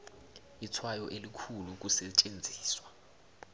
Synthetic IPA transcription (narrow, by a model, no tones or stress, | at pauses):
it͡sʰwajɔʔelikʰuluk̬usɛt͡ʃʼend͡zʱiːswa